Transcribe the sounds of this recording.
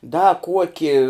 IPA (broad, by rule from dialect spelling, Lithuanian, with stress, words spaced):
dɐ ˈkuɔkʲɪ